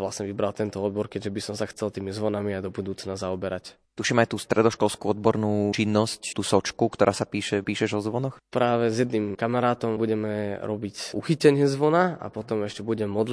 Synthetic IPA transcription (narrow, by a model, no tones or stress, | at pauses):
ʋlasɲɛʋibɾalt̪ɛnt̪ɔɔd̪̚bɔɾkɛɟʒɛbisɔmsaxt͡sɛlt̪iːmizʋɔnamiajd̪ɔbud̪uːt͡snazaɔbɛɾac | t̪uʃimajt̪uːst̪ɾɛd̪ɔʃkɔlskuɔd̪bɔɾnuːt͡ʃinːɔsct̪uːsɔt͡ʃkukt̪ɔɾaːsapiːʃɛpiːʃɛʒɔzʋɔnɔxpɾaːʋɛzjɛd̪nimkamaɾaːt̪ɔmbuɟɛmɛɾɔbicuxicɛɲɪɛzʋɔnaa̰pɔt̪ɔmɛʃcɛbuɟɛmmːɔd̪l